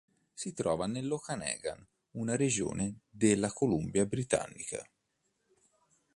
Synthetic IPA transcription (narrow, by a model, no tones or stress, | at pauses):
sit̪ɾɔːvanelːokanɛ̰ːɡa̰n | unaɾed͡ʒo̰ːned̪elːakolumbjabɾit̪a̰nːika̰